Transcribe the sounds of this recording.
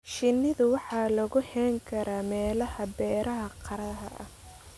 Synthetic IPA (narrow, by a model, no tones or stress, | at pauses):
ʃɪnːɪðʊwɑħɑːlɐɣʊhɛːŋkʰɐɾaːmɛːlɐhɐbɛːɾɐɦɐqʰɑɾɐɦɐʔɐ̰h